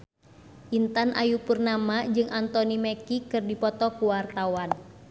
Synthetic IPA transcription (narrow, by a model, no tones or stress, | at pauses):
ʔint̪anʔa̰jupurnamad͡ʒɨŋʔant̪ɔnimɛkikɨrdipɔt̪ɔkuwart̪awan